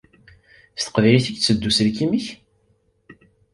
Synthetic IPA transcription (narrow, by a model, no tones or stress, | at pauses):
st̪ə̥qvæjliθiɡt͡sːəd̪ːusəlkimiç